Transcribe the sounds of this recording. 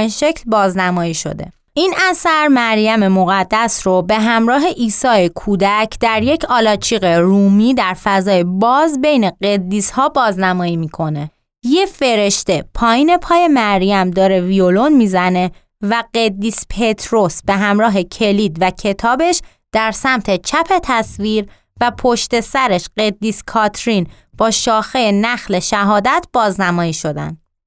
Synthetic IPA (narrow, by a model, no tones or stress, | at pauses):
inʃe̞cʰlbɒːznæmɒːiʃo̞̰d̪e̞̰ | ʔiːnæsæɾmæɾjæme̞mo̞ɣæd̪ːæsɾobe̞ɦæmɾɒːɦe̞ʔiːsɒːekʰuːd̪æcʰd̪̥æɾje̞cʰɒːlɒːt͡ʃʰiːɣeɾuːmiːd̪æɾfæzɒːjebɒːzbe̞jne̞ɢe̞d̪ːishɒːbɒːznæmɒːjiːmiːkʰo̞ne̞ | je̞fe̞ɾe̞ʃt̪e̞pʰɒːjiːne̞pʰɒːje̞mæɾɾijæmd̪ɒːɾe̞violo̞nmiːzæne̞ | væɢed̪ːiːspʰe̞t̪ʰɾo̞sb̥e̞ɦæmɾɒːɦe̞cʰe̞lid̪væcʰe̞t̪ʰɒːbe̞ʃ | d̪̥æɾsæmt̪ʰe̞t͡ʃʰæpʰe̞t̪ʰæsviɾ | væpʰo̞ʃt̪e̞sæɾe̞ʃɢe̞d̪ːiːskʰɒt̪ʰɾin | b̥ɒːʃɒːxejenæxle̞ʃæɦɒːd̪æt̪ʰb̥ɒːznæmɒːjiːʃo̞d̪æ̰nd̪